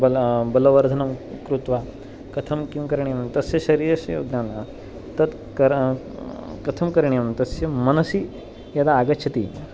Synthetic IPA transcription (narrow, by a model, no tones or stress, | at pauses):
bɐbɐlɐʋɐɾd̪ʱɐnɐmkɾut̪ʋa | kɐt̪ʰɐmkjimkɐɾiɳjɐmt̪ɐsjɐʃɐɾiːɾɐʃɐjoːɡnaːna | t̪ɐd̪ | kɐɾ | kɐt̪ʰɐmkɐɾɳijɐmt̪ɐsjɐmɐnɐsi | jɐd̪aːɡɐt͡ʃʰɐt̪ḭ